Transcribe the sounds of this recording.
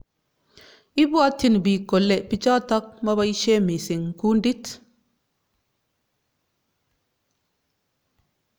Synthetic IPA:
i˦bu˦a˦tːi˦n˨bi˨kːo˨lːe˨pi˦t͡ʃa˦t̪a˦k̚ma˦βa˦i˦ʃe˦mi˨si˨ŋku˦ndi˦t

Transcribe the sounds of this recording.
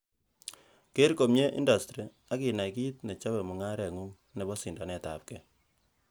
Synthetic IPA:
ke˦ɾko˨mɲe˦ʔḭ˦nda˨stɾi˨ | a˦ki˨na˨jki˦t̚ne˨t͡ʃa˦βɛ˨mu˨ŋa˦ɾɛ˨ŋu˦ŋ | nɛ˨bɔ˦si˨nda˨nɛ˨ta̰˨p̚kɛ˨

